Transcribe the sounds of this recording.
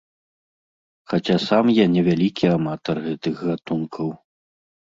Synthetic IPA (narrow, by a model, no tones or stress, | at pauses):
xat͡sʲasamjanʲɛvʲalʲikʲʰiamat̪ɐrɣɛt̪ɨxɣat̪unkʰɐw